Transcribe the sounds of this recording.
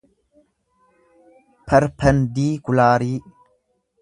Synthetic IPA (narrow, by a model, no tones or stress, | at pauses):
pʰɐɾpʰɐndiːkulaːɾiː